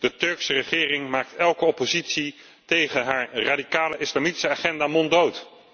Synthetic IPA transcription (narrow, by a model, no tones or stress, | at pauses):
d̥ətɵɹksərəχɪːrɪŋmaːk̚tɛlˠkəɔpozitsi | tejχənɦaːɹraːdikaːləʔɪslaːmiti̥səaːχɛndaːmɔndowt